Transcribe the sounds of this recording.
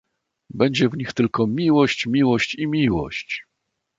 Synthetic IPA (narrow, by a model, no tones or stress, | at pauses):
bɛɲd͡ʑɛvɲixt̪ɘlkɔmʲiwɔɕt͡ɕmʲiwɔɕt͡ɕimʲiwɔ̰ɕt͡ɕ